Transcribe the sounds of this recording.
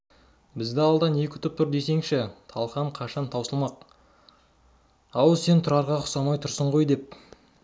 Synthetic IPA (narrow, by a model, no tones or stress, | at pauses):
bɪzd̪ɪɑlˠd̪ɑne̞kʲɪ̥t̪ʰʊp̚t̪ʰʊɾd̪e̞se̞ŋʃɪt̪ʰɑlˠχɑɴqʰɑʃɑnt̪ʰɑwsəlˠmɑq̚ | ɑwse̞nt̪ʰʊɾɑɾʁɑqʰʊ̥sɑmɑjt̪ʰʊɾsəɴʁo̞jd̪e̞p̚